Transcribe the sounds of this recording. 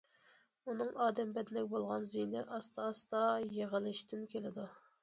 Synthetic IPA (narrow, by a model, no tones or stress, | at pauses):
unɨŋɑːd̪ɛmbɛd̪ɪnɛk̚ʲbolˠʁɑnzinɪʔɑst̪ʰɑːst̪ɑjeʁəlˠɨʃt̪ɪnkʲʰelɪd̪u